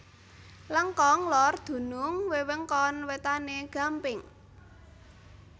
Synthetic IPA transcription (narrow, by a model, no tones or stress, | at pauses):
ləŋkɔŋlɔrd̪̥ṳnʊŋwewəŋkɔnwet̪aneɡ̥a̤mpɪŋ